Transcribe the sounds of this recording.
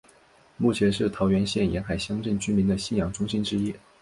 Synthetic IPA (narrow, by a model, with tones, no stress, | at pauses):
mu˥˩t͡ɕʰjɛ˧˥nʂɻ̩˥˩t̪ʰɑ˧˥ʊɥɛ˧˥nɕjɛ˥˩njɛ˧˥nxa˨˩ɪɕjɑ˥ŋʈ͡ʂə˥˩nt͡ɕy˥nmi˧˥nd̪ə˧ɕi˥˩njɑ˨˩ŋʈ͡ʂʊ˥ŋɕi˥nʈ͡ʂɻ̩˥i˥